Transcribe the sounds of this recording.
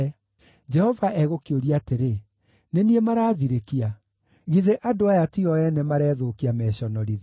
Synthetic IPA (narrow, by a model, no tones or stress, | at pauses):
d͡ʒɛhɔvaʔɛɣokioɾiateɾe | neniemaɾaːðiɾekia | ɣiðeʔadoajatiɔɛnɛmaɾɛːðokiamɛɕɔnɔɾið